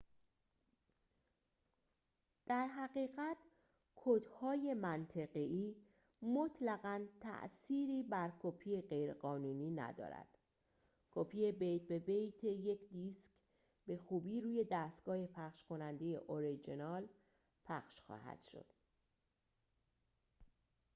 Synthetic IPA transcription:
d̪̥æɾɦæɣiːɣæt̪ | kʰod̪hɒːje̞mænt̪ʰeɣeiː | mot̪ʰlæɣænt̪ʰæ̰ʔsiːɾiːbæɾkʰopʰijeɢe̞jɾeɢɒːnuːniːnæ̰d̪ɒ̰ːɾæ̰d̪̥ | kʰopʰiːje̞be̞jt̪̚be̞bejt̪ʰe̞je̞cʰd̪isk | be̞xuːbiːɾuːje̞d̪æːst̪ɡ̥ɒːhe̞pʰæχʃkʰo̞nænd̪ejḛʔoɾid͡ʒinɒːl | pʰæχʃxɒ̰ːɦæ̰d̪̥ʃo̰d̪̥

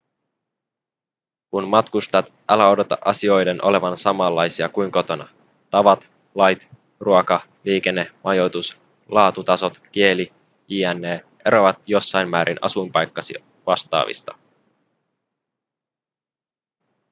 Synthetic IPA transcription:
kunmɑt̪kust̪ɑt̪ʔɑlæo̞do̞t̪ɑ̰ʔɑsio̞jde̞nʔo̞le̞ʋɑnsɑmɑlːɑjsiɑkujŋko̞t̪o̞nɑ̰ | t̪ɑʋɑt̪ | lɑjt̪ | ruokɑ | liːk̟e̞nːe̞mʔɑjo̞jt̪us | lɑːt̪ut̪ɑso̞t̪k̟ie̞li | iːænːeː | e̞ɾo̞ʋɑt̪jo̞sːɑjmmæːɾʔinɑ̰sujmpɑjkːɑsḭ | ʋɑst̪ɑ̰ːʋḭst̪ɑ̥

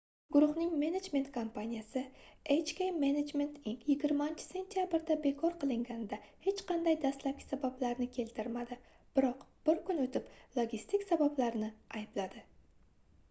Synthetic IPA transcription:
ɡʊɾʊhnɪŋme̞ned͡ʒme̞nt̪kʰompʰanijasɪejt͡ʃkʲejmened͡ʒme̞nt̪iŋkjɪɡʲɪɾmant͡ʃʰɪ̥se̞nt̪ʰijabɪɾd̪abe̞kʰɒɾqɨlˠɪŋɡʲanɪd̪ahe̞t͡ʃqʰɑnd̪ajd̪ast̪lap̚kʲɪ̥sabablaɾnɪkʲʰe̞lt̪ʰɪɾmad̪ɪ | b̥ɪɾɒqb̥ɪɾkʊnot̪ʰɪplˠoɡʲist̪ɪkʲsabablaɾnɪajɪblad̪ɪ

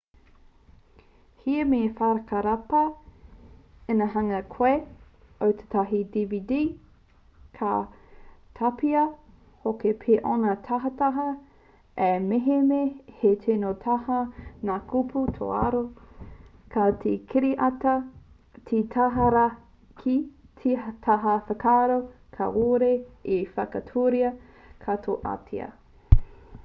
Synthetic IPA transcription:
hiɐmefaɾɐkɐɾɐpɐ | enɐɦɐŋɐkʰoe | owt̪ʰe̥t̪aɦidividi | kʰa̰ | t̪ʰɐpiɐ | hokepʰeʔonɐtʰɐɦɐtaɦɐ | emeɦemehetʰenotʰɐhɐnakʰupʰutʰo̰aɾo | kʰɐtʰekʰiɾiʔɐtɐ | tʰitʰaɦɐɾɐ | kʰitʰitʰaɦɐfɐkʰaːɾo | kʰɐ̰oɾeifɐkɐtʰuɾiɐ | kʰɐtʰo̰ʔa̰tʰḭɐ̰

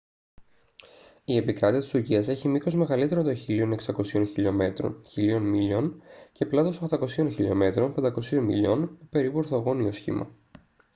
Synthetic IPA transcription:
ie̞pikɾɐt̪iɐt̪isuɾciɐse̞çimiko̞zme̞ɣɐlit̪eɾont̪o̞çilio̞ne̞ksɐko̞sio̞nçiʎo̞me̞t̪ɾo̰nçilio̞nmiʎo̞nce̞plɐt̪o̞soxt̪ɐko̞sio̞nçiʎo̞̰me̞t̪ɾo̞npend̪ɐko̞sio̞nmḭʎo̞nepe̞ɾipueɾθoɣo̞nio̞sçḭmʔɐ̰

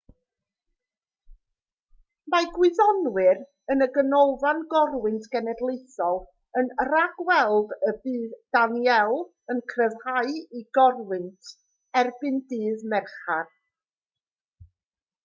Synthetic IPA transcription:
majɡwɪðɔnwɪr | ənəɡənowvanɡɔrwɨntʰɡ̥ɛnɛdlˠejθɔlˠ | ənraɡ̥wɛlˠdəbɨːðd̥anjɛlˠ | ənkʰrɛvhaɨiɡɔrwɨntʰ | ɛrbɨndɨːðmɛrχar

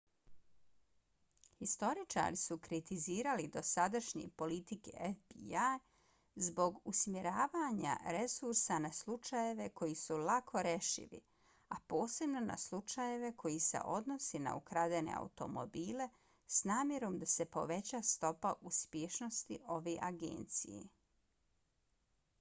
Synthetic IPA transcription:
xist̪o̞ɾit͡ʃa̰ɾisukɾit̪iziːɾalid̪o̞sad̪aʃɲḛpo̞lit̪ikḛʔefbiaj | zbo̞ɡusmjeɾaːʋaɲa̰ɾe̞suɾsanaslˠut͡ʃajeʋe̞ko̞jisulakʰo̞ɾeʃḭʋḭ | apo̞ːse̞bno̞na̰slˠut͡ʃaje̞ʋe̞kʰo̞jise̞̰ʔo̞d̪no̞sena̰ukɾad̪ene̞̰a̰ut̪o̞̰mo̰biːle̞ | snaːmje̞ɾo̞md̪ase̞po̞̰ʋe̞t͡ɕast̪o̞paʔuspjeʃno̞st̪iʔo̞ʋeʔaɡḛːnt̪sḭjḛ

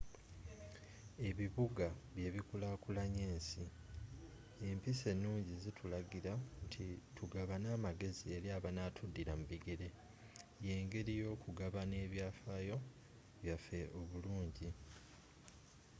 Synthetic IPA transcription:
e̞βiβuɡaβje̞ːβikulakulaɲe̞ːnsi | empise̞nːuːɲɟizitʰulaɡiɾatʰitʰuɡaβanaːmaɡe̞zie̞ɾiaːβanaːtʰudːiɾamuβiɡe̞ɾe̞ | je̞ːŋɡe̞ɾijo̞ːkuɡaβane̞ːβjaːfaːjo̞ | βjafe̞ʔo̞βuluːɲɟi

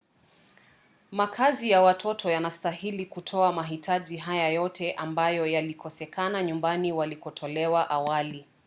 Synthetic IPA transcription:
makʰazijawatʰɔtʰɔjanastahilikutʰɔamaɦitʰaʄiɦajajɔtʰɛʔambajɔjalikɔsɛkanaɲumbaniwalikɔtʰɔlɛwaʔawali

